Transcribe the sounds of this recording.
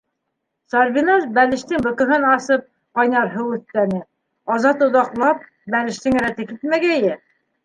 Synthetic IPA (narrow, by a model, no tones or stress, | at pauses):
sɑɾβinɑzbælɘ̆ʃt̪ɘŋbɤ̆kɤ̆ɦɤnɑsɤp̚ | qɑjnɑɾɦɤʉθt̪ːænɘ | ɑzɑt̪ŭðɑqlˠɑp̚ | bælɘ̆ʃt̪ɘŋɘɾæt̪ɘkit̪mæɡæjɘ